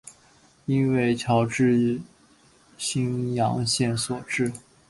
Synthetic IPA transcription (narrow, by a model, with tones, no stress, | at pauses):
i˥nwe˥˩ɪt͡ɕʰjɑ˧˥ʊʈ͡ʂɻ̩˥˩ | ɕi˥ŋjɑ̰˧˥ŋɕjɛ˥˩nswɔ˨˩ʈ͡ʂɻ̩˥˩